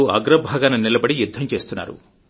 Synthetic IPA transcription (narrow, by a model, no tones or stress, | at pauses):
uɐ̰ɡɾɐbʱaːɡanɐnilɐbɐɽijud̪ʱːɐmt͡ʃeːst̪unːa̰ːɾṵ